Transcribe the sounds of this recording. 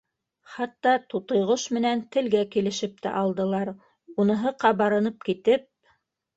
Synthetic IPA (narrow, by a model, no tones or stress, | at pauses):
χɑt̪ːɑt̪ut̪ɤ̆jʁoʃmɘ̆nænt̪ɘ̆lɡækilɘ̆ʃɘp̚t̪æ̰ʔɑlˠd̪ɤ̆lˠɑɾ | unɤ̆ɦɤqɑbɑɾɤ̆nɤp̚kit̪ɘp̚